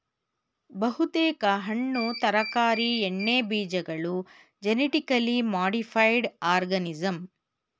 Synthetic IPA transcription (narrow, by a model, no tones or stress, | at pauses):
bɐɦut̪eːkɐɦɐɳːut̪ɐɾɐkaːɾieɳːeːbiːd͡ʒɐɡɐɭu | d͡ʒeniʈikɐlimaːɽipʰɐjɖaːɾɡɐnid͡ʒɐm